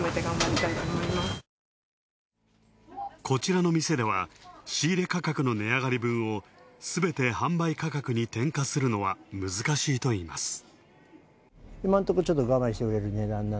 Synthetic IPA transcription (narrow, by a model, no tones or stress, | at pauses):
met̪eɡãmbaɾʲit̪ait̪omoimas | kʰo̞t͡ɕiɾano̞mʲise̞d̪e̞β̞aɕiːɾe̞kakakɯ̟no̞ne̞aɡaɾʲibɯ̟̃ɰ̃o̞sɨbe̞t̪e̞hãmbaikakakɯ̟ɲ̟it̪ẽ̞ŋkasɨɾɯ̟no̞βamɯ̟zɨkaɕiːt̪o̞iːma̰sɨ̥ | imãnt̪okot͡ɕot̪ːoɡamãɕi̥t̪eoɾe̞ɾɯ̟ne̞ːd̪ãnːa